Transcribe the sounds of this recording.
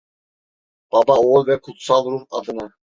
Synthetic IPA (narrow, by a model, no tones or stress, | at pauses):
b̥ɑbɑolʲˠvɛkʰut̪sɑlˠɾuhɑd̪ɯnɑ